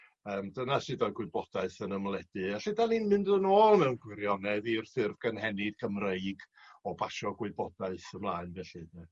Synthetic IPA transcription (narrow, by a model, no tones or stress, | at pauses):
əːmdənasɪdaɡwɪɨbɔd̥aɨθənəmlˠɛd̥ɨaɬɪdaninmɪndənoːlˠmɛwnɡwɪɾjɔnɛðirθɪrvɡ̥ənhɛnɪd̥̚kʰəmreɨɡ | ɔbaʃɔɡwɪbɔd̥aɨθəmlˠaːɨnvɛɬɨdnɛ